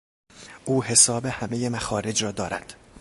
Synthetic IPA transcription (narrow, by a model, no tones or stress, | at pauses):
ʔuːɦe̞sɒːbehæme̞jemæxɒːɾe̞d͡ʒɾɒːd̪ɒːɾæ̰d̪̥